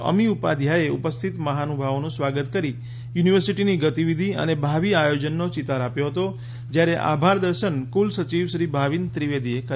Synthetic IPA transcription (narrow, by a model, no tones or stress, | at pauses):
ʔə̰miupa̰d̪ʱjaeupəst̪ʰit̪məɦanubʱaʋnũsʋaɡət̪kəɾi | juniʋəɾsiʈiniɡət̪iʋid̪ʱiə̰nebʱaʋiajod͡ʒənːot͡ʃit̪aɾapjoɦət̪o | d͡ʒjaɾeʔa̰bʱaɾd̪əɾʃənkulsət͡ʃiʋʃɾibʱaʋint̪ɾiʋed̪iekə